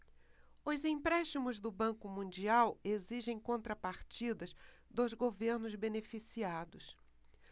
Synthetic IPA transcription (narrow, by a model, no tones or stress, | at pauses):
ʊzĩpɾɛʃt͡ʃimʊzd̪ʊbɐ̃ŋkʊmũnd͡ʒiaweziʒẽj̃kõnt̪ɾɐpaɾt͡ʃid̪ɐzd̪ʊzɡoveɾnʊzbenefisiad̪ʊs